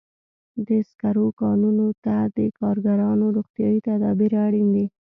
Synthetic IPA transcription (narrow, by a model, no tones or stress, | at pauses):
d̪əskaɾokɑnunot̪ad̪əkɑɾɡaɾɑnoɾoɣt̪jɑit̪ad̪ɑbiɾaɽind̪i